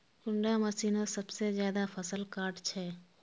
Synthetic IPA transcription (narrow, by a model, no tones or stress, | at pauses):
kʊɳɖaməsiːnasəbsezjaːd̪apʰəsəlkaːɾʈt͡ʃʰɛː